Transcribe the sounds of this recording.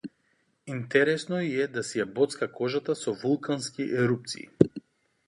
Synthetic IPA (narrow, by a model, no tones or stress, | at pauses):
int̪ɛɾɛsnɔiɛd̪asijabɔt̪skakɔʒat̪asɔvulˠkʰanskiʔɛɾup̚t̪sḭː